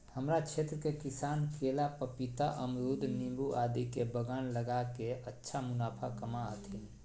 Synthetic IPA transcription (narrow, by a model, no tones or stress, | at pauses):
həmɾat͡ʃʰeːt̪ɾəkekɪsaːnkʰeːlapəpit̪aʔəmɾud̪ʱnĩmbuʔaːd̪ikebəɡanləɡakeətːʃʰamʊnaːpʰakəmaət̪ʰin